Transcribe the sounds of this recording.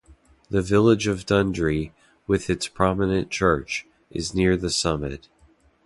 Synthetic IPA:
ðɨvɪlˠɪd͡ʒʌvdʌ̃ndɹi | wɪðɨtspʰɹ̥ɑmɨnɨ̃nt͡ʃʰɜ˞t͡ʃ | ʔɨznɪɹðɨsʌmɨ̰t̚

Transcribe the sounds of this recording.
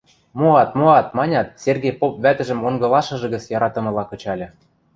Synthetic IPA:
moɑt̪moɑt̪̚mɑnʲɑt̪serɡepop̚βæt̪ɘ̆ʒə̆moŋɡɤ̆lɑʃɤ̆ʒɤ̆ɣə̆t͡sjɑɾɑt̪ɤ̆mɤ̆lɑkɤ̆t͡ɕɑlʲɤ̆

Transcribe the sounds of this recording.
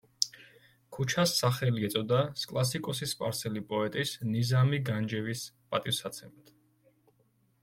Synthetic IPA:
kʰut͡ʃʰasːaχɛliɛt̪sʼɔd̪askʼlˠasikʼɔsispʼa̰ɾsɛlipʼɔɛt̪ʼisnizamiɡand͡ʒɛvispʼat̪ʼifsat̪sʰɛmat̪ʰ

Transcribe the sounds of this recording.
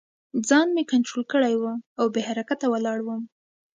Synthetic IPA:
d͡zɑnmekanʈɾolkəɽajwəawbeɦaɾakat̪ːawəlɑɽwəm

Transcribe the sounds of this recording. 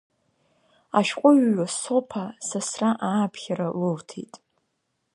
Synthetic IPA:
aʃqʷʼʊɥɥasopʰasasraʔaːpʰχʲaɾalɨltʰḛtʼ

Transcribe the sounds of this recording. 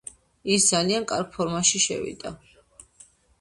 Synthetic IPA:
isd̪zaliankʼa̰ɾɡ̚pʰɔɾmaʃiʃɛ̰vḭd̪̥a̰

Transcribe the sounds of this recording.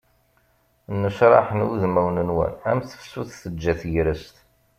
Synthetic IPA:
nːəʃɾˤɑ̰ħnuðmæwnənwæ̰næmθə̥fsuθθəd͡ʒːæθjɾəst̪

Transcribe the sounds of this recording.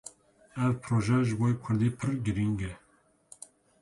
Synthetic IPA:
ɛvpʰɾoːʒɛʒɨboikʷʰʊɾd̪iːpʰɨɾɡɨɾiŋɡɛ

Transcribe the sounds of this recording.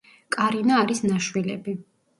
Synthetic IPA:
kʼaɾinaːɾisnaʃwilɛ̰bi

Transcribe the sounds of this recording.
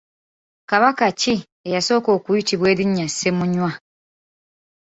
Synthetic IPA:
kaβakat͡ʃi | ejasokokujit͡ʃibwediɲasemũɲwa

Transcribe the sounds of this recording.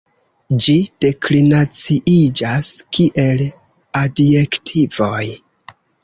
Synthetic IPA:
d͡ʒid̥e̞klinat͡siʔid͡ʒaskiʔe̞l | adje̞ktʰivo̞j

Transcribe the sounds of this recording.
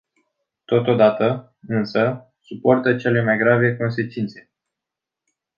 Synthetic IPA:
t̪o̞t̪o̞d̪at̪ə | ɨnsə | supo̞rt̪ət͡ʃe̞le̞majɡɾave̞ko̞ns̬e̞t͡ʃint̪se̞̥

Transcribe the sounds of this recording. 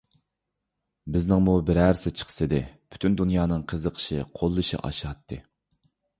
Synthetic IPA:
bɪznɪŋmubɪɾæɾɪsɪt͡ʃʰə̥χʰə̥sɨd̪ɨpʰy̥t̪ʰynd̪unjɑːnɨŋqʰəzəqʰə̥ʃiqʰolˠːɨʃḭʔɑ̰ʃɑt̪ʰːɨ̰

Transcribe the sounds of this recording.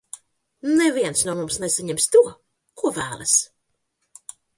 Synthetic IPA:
nnɛviɛnsnuɔmumsnɛsaɲɛmʲst̪uɔ | kuɔvæːlˠas

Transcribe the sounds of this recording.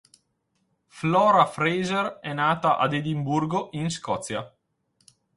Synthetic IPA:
flɔːɾafɾejzerɛnaːt̪aʔa̰d̪ed̪imburɡoʔinskɔt̪sja

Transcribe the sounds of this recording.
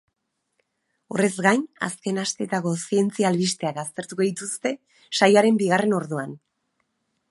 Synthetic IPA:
o̞̰re̞zɣajna̰ske̞nast̪e̞t̪ako̞sie̞nt͡sialβist̪e̞akast̪e̞ɾt̪ukoðit̪ust̪e̞ | ʃajoaɾe̞mbiɣ̞are̞no̞ɾðuan

